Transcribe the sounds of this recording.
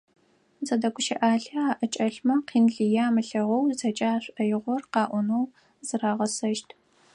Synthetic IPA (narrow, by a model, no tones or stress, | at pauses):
zɐdɐkʷʰʊʃɐʔaːɬɐaːʔɐt͡ʃʼɐɬmɐqʰiːnɮɨjaːmɨɬɐʁɔwzɐt͡ʃʼaːɕʷʼɐjɪʁʷɔrqɑːʔʷɔnow | z̥ɨɾaːʁɐsɐʃtʰ